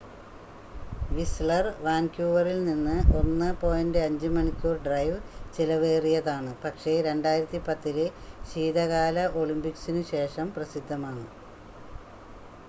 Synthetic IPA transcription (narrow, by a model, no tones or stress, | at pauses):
ʋisɭɐrʋaːnkjuːʋɐrilninːɨʔo̞nːɨpo̞ːjɐndeɐɲd͡ʑɨmɐɳikʲːoːrɖrɐjʋt͡ɕilɐʋe̞ːrijɐðaːɳɨpɐkʂe̞ɾe̞ɳɖaːjiɾɐt̪ːipɐt̪ːileɕiːðɐɣaːlɐʔo̞ɭimbiksinɨɕe̞ːʂɐmprɐsid̪ʱːɐmaːɳɨ